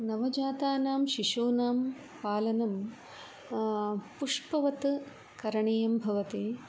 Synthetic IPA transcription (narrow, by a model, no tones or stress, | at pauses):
nɐʋɐd͡ʒaːt̪aːnaːmʃiʂoːnaːm | paːlɐnɐm | puʂpɐʋɐt̪ɨ | kɐɾɐɳijɐmbʱɐʋɐt̪iː